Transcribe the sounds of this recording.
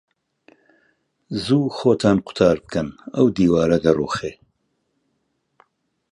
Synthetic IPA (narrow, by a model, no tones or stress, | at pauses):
zuːxoːt̪ʰaːnqʰʊ̥t̪ʰɑːɾbɨkɐnɐwd̪iːwaːɾɐd̪ɐruːxeː